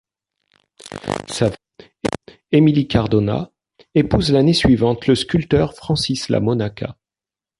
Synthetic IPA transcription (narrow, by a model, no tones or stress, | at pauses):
sa | emilikaʁd̪ɔna̰ | epuzlanesɥivɑ̃t̪ləskʲylt̪œʁfχɑ̃sisla̰mɔnakʰa̰